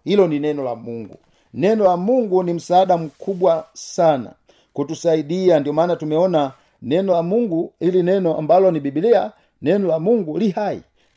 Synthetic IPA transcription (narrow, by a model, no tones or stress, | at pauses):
hilɔninɛnɔla̰muŋɡṵ | nɛnɔlamuŋɡunim̩saːdam̩kʰubwasana̰ | kutusaidiandiɔmanatumɛɔna | nɛnɔlamuŋɡuilinɛnɔa̰mbalɔnibibilia | nɛnɔlamuŋɡuliɦaḭ